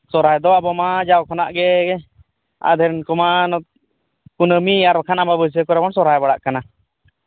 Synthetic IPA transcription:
sɔɾajd̪ɔabɔmad͡ʒawkʰɔnaʔɡɛɡɛ | a̰d̪ʱɛɾɛnkɔmanɔ | kunəmiaɾakʰanababəs̬əkɔɾɛbɔnsɔɾajbaɽaʔkana

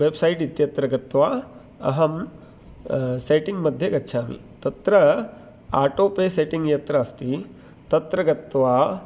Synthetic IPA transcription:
ʋebsɐjʈit̪jɐt̪ɾɐɡɐt̪ʋaː | ɐ̰ɦɐm | seːʈiŋɡmɐd̪ʱjɐɡɐtːʃʰaːmḭt̪ɐt̪ɾɐ | aːʈoːpeːseːʈiŋɡjɐt̪ɾaɐst̪i | t̪ɐt̪ɾɐɡɐt̪ʋaː

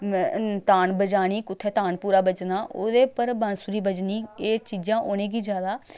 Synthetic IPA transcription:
t̪aːnbəd͡ʒaːɽ̃iːkʊt̪ʰːɛːt̪aːnpuːɾaːbət͡ʃnaːʔoːd̪eːpəɾbənsʊɾiːbəd͡ʒniːeːt͡ʃiːd͡ʒãːʔoːñẽːɡiːd͡ʒjaːd̪aː

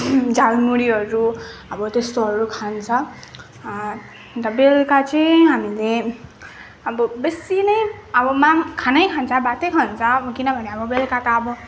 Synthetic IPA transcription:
d͡zalmuɽiɦʌɾuʌbʌt̪est̪oɦʌɾukʰant͡sʰʌ | t̪ʌbelkat͡sʌjɦamile | ʌbʌbesinʌjʌbʌmaŋkʰanʌjkʰant͡sʰʌbat̪ʌjkʰant͡sʰʌbʌkinʌbʱʌneʌbʌbelkat̪aːbʌ

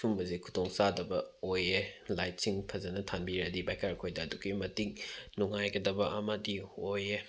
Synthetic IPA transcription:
sumbɐzikʰu̥tʰoŋsadɐbɐojelajt̚siŋpʰɐzɐnɐtʰanbiɾɐdibajkʰaɾkʰojdɐːduɡimɐtiŋnuŋajɡɐdɐbɐʔɐmɐdioje

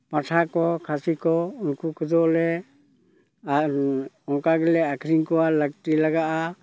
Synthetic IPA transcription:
paʈʰakɔkʰasikɔunkukʰud̪ɔlɛ | a | ɔŋkaɡɛlɛakʰɾiŋkɔwalək̚ʈilaɡaʔa

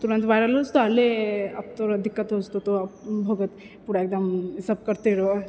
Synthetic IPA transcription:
t̪uɾə̃nt̪ʋaːjɾalost̪oaleap̚t̪oɾɐd̪ɪkːət̪ɦod͡ʒt̪ot̪oapbʱɐɡət̪ | puɽaeːk̚d̪ɐmisəb̚kɐɾt̪eɾo

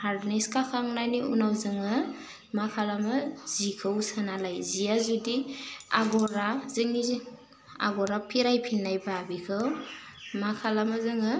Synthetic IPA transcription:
haɾdniskakʰaŋnaniʔunawzɯŋɯ | makʰalamɯzikʰɯwsanalajzijazudiaɡɔɾazɯŋizi | a̰ɡɔɾapʰiɾajpʰinːajbabikʰɯw | makʰalamɯzɯŋɯ

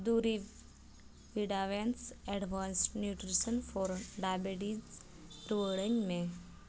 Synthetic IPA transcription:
d̪uɾi | ʋiɖaʋensɛɖʋãnsʈnjuʈɾisənfɔɾɖabeɖiz | ɾuʋəɭəɲmẽ

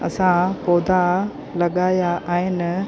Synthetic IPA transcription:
ɐ̰sãpɔːd̪ʱa | lɐɠaːjaʔaːɦɪnɪ̆

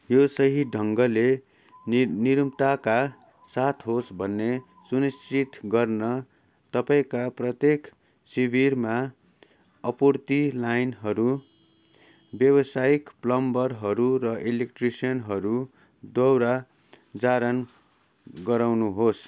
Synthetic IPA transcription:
josʌɦiɖʱʌŋɡʌle | niɾumt̪aka | sat̪ʰɦosbʱʌnːe | sunist͡sit̪ɡʌrnʌ | t̪ʌpaĩkaprʌt̪jek | sibʱirma | ʌpurt̪ilajnɦʌɾu | bjʌbʌsajikplʌmbʌrɦʌɾurʌʔelek̚ʈrisijʌnɦʌɾu | d̪ʌwɾa | d͡zaɾʌn | ɡʌɾawnuɦos

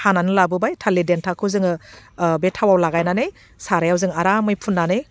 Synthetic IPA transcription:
hananɯlabɯbajtʰalidentʰakʰɯzɯŋɯbetʰawawlaɡajnanɯj | saɾajawzɯŋaɾamɯjpʰunːanɯj

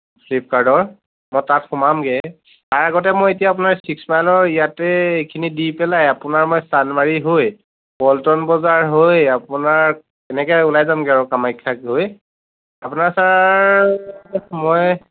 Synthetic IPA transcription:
pʰlip̚kaɹdɔɹ | mɔjtatxʊmamɡɛ | taɹaɡɔt̬ɛmɔjetijaːp̬ʊnaɹsiksmajlɔɹijatɛejkʰinidipɛlajapʊnaɹmɔjstanmaɹiɦoj | bɔltɔnbɔzaɹɦojapʊnaɹ | ɛnɛkɛʊlajzamɡɛaɹʊkamajkʰːakɦoj | apʊnaɹsaɹ | mɔj

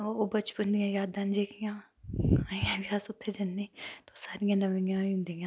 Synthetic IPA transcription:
oːbɐt͡ʃpənd̪ijãːjaːd̪ːɐnd͡ʒeːkʰijãː | aːĩãʋjaːsʊt̪ʰːed͡ʒɐnːiːt̪osaːɾijãːnɐʋĩãũnd̪ijãː

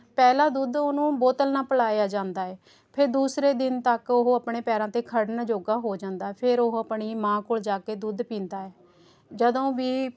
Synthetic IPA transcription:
pɛːlaːd̪uːd̪oːnũːboːt̪əlnaːpəlaːjaːd͡ʒãːnd̪aːɛː | pʰɪɾd̪uːsɾeːd̪ɪnt̪əkoɦoəpɳeːpɛːɾãːt̪eːkʰəɽnaːd͡ʒoːɡaːɦoːd͡ʒãːnd̪aːɛːpʰɪɾoɦəpɳiːmãːkoːld͡ʒaːkeːd̪uːd̪pĩːnd̪aːɛː | d͡ʒəd̪õːʋiː

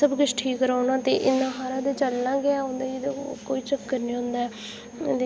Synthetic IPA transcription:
əbɡət͡ʃʈʰiːkɾaːnãːt̪eːʔɪnːãːɦaːɾãːd̪eːt͡ʃəlnãːɡɪaːʊ̃nd̪aːed̪koːiːt͡ʃəkːəɾnĩːɦʊ̃nd̪aːɛː | d̪e

